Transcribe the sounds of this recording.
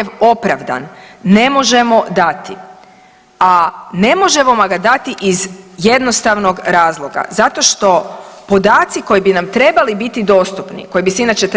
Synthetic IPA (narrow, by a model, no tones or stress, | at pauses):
ʋo̞pɾaʋd̪a̰nːe̞mo̞ʒe̞mo̞d̪at̪i | ane̞mo̞ʒe̞momaɡad̪at̪iʔizje̞d̪no̞st̪aʋno̞ɡɾaːzlˠo̞ɡa̰zat̪o̞ʃt̪o̞po̞d̪aːt̪siko̞jibinamt̪ɾe̞balibit̪id̪o̞ːst̪upnḭko̞jibiseinaːt͡ʃet̪